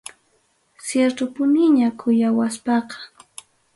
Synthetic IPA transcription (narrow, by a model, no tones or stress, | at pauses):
sjeɾt̪ʊpʊnɪɲakʰʊjawaspɑqɑ̥